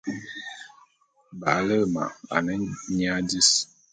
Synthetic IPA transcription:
ba̰˨˦lə˦lma̰˨a̰˨nə˦ɲ˦a˦di˦s

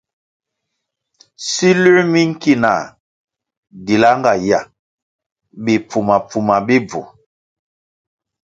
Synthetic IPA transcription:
si˦le˦mi˦ŋ̩˦ki˦na˨ | di˨la˦ŋɡa˨ja˨ | be˨pu˨ma˨pu˨ma˨be˦b͡vo̰˨

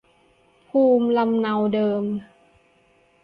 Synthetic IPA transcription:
pʰuː˧mla˧mna˧wdɤː˧m

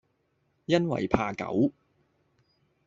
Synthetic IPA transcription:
jɐ˥nwɐ̰˨˩jpʰaː˧kɐ̰˨˥w

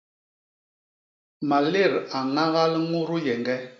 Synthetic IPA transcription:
ma˨le˦˨ɾa˨ŋa˦ɣa˦lŋu˦ɾu˦jɛ˨ŋɡɛ˦

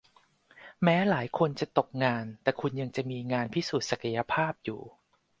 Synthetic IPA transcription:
mɛː˦˥laː˩˦jkʰo˧nt͡ɕa˨˩t̪o˨˩k̚ŋaː˧nt̪ɛː˨˩kʰu˧nja˧ŋt͡ɕa˨˩miː˧ŋaː˧npʰiː˦˥˩suː˨˩t̪̚sa˨˩ka˧ja˧pʰaː˥˩p̚jṵː˨˩

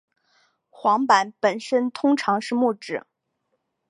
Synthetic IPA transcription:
xwɑ˧˥ŋpa˨˧˥npə˨˩nʂə˥nt̪ʰʊ˥ŋʈ͡ʂʰɑ˧˥ŋʂɻ̩˥˧mu˥˩ʈ͡ʂɻ̩˨˩

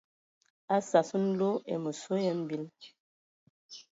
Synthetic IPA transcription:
a˦sa˨sə˦n̩˦lo˦ḛ˨mə˨so˦jɛ˦m˦˨bi˦l

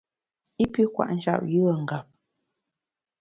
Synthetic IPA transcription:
i˦pi˦kwa̰˨ʔn̩˦t͡ʃa̰˦˨p̚ju˦wə˨ŋ̩˨ɡa˨p̚

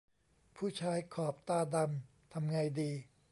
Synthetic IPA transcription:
pʰuː˥˩t͡ɕʰaː˧˥jkʰɔː˨˩p̚t̪aː˧da˧m | t̪ʰa˧mŋa˧jdiː˧

